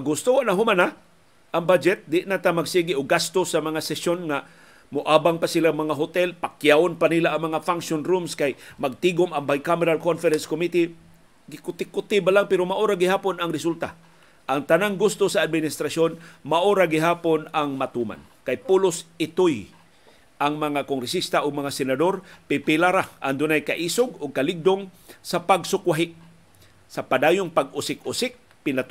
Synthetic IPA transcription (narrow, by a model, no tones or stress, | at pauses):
aɡʊst̪oanaɦʊmana | ʔaŋbad͡ʒɛt̪̚d̪ɪʔnat̪amaɡsiːɡɪʔoɡast̪osamɐŋasɛsjonŋa | mʊʔaːbaŋpasɪlaŋmɐŋaɦʊt̪ɛlpakjaonpanilaʔːŋmɐŋafaŋʃonɾumskajmɐɡ̚t̪iɡomɐŋbajkamɪɾalkonfɛɾɛnskomit̪i | ɡɪkʊt̪ɪkʊt̪ɪbalaŋpɛɾomaʔoɾaɡɪhaːponɐŋɾɪsult̪a | ʔaŋt̪anaŋɡʊst̪osaːd̪̚mɪnɪst̪ɾasonmaʔoɾaɡɪɦaːponaŋmat̪uːma̰n | kajpulʊsɪt̪oj | ʔaŋmɐŋakoŋɡɾɛsist̪aʔʊɡ̚mɐŋasɛnad̪o̞ɾpɪpɪlaɾaʔaŋd̪ʊnajkaʔiːsʊɡʊɡ̚kɐlɪɡ̚d̪oŋsapaɡsʊkwaɦɪʔ | sɐpad̪aːjʊŋpaɡʊsɪkʊsɪk̚ | pɪnat̪